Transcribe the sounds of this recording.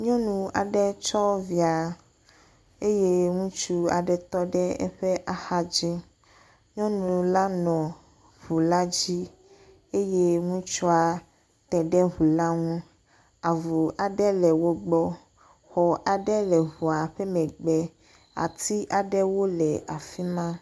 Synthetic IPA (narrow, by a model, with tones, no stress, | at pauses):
ɲɔ̃˦nũ˨a˨ɖɛ˦t͡ʃɔ˦vi˨a˨ | e˦je˦ŋũ˦t͡ʃu˦a̰˨ɖɛ˦t̪ɔ˦ɖɛ˦ɛ̰˦ɸe˦ʔa˨xa˦d͡ʑi˦ | ɲɔ̃˦nũ˨la˦nɔ̃˨ | vu˨la˦d͡ʑi˦ | e˦je˦ŋũ˦t͡ʃɔ˦a˨ | t̪ɛ˨ɖɛ˦ɦu˨la˦ŋũ˦ | a˨vu˨ʔa˨ɖɛ˦lɛ˨wo˦ɡ͡bɔ˦ | xɔ˨ʔa˨ɖɛ˦lɛ˨ɦu˨a˨ɸɛ˦mɛ̃˨ɡ͡bɛ˦ | a̰˨t̪i˦ʔa˨ɖɛ˦wo˦lɛ˨a˨fi˦mã˦